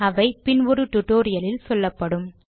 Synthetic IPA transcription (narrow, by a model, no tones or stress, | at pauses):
ɐʋɐɪpɪnʋɔɾɯʈʊʈːoːɾɪjɐlɪlsɔlːɐpːɐɽɯm